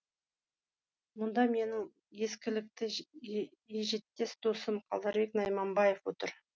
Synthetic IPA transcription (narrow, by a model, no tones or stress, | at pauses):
mʊnd̪ɑme̞nɪ | je̞skʲɪlɪk̚t̪ɪ | eʒe̞t̪ːe̞sd̪o̞səmqʰɑlˠd̪ɑɾbe̞knɑjmɑmbɑjefwot̪əɾ